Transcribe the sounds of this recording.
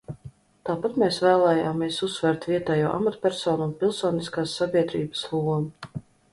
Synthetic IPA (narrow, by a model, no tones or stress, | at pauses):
t̪aːpat̪meːsvæːlˠɛːjaːmiɛsusːvɛɾt̪viɛt̪ɛːjṵɔːʔa̰mat̪pʲɛɾsɔːnunpilˠsoːniskaːsːabʲiɛd̪ɾiːbə̥slˠuɔmu